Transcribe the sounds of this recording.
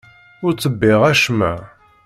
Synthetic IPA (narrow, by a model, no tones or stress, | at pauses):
ʊɾt͡sːəbːɪʁæʃmæ̰